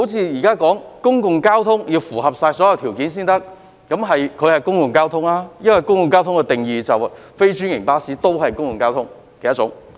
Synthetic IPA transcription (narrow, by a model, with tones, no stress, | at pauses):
ho˨˥wt͡sʰiː˧jiː˨˩kaː˥kɔː˨˥ŋkʊ˥ŋkʊ˨ŋkaː˥wt̪ʰʊ˥ŋjiː˧wfuː˨˩ɦɐ˨p̚saː˧jsɔː˨˥jɐ˨wt̪ʰiː˨˩wkiː˨˥nsiː˥nt̪ɐ˥k̚ | kɐ˨˥mɦɐ˨jkʰɵ˨˧hɐ˨jkʊ˥ŋkʊ˨ŋkaː˥wt̪ʰʊ˥ŋlaː˥jɐ˥nwɐ˨˩jkʊ˥ŋkʊ˨˧ŋkaː˥wt̪ʰʊ˥ŋkɛ˧t̪ɪ˨ŋjiː˨t͡sɐ˨wfe˥jt͡ʃyː˥njɪ˨˩ŋpaː˥siː˨˥t̪o˥wɦɐ˨jkʊ˥ŋkʊ˨ŋkaː˥wt̪ʰʊ˥ŋ | kɛ˨˧jɐ˥t͡sʊ̰˨˥ŋ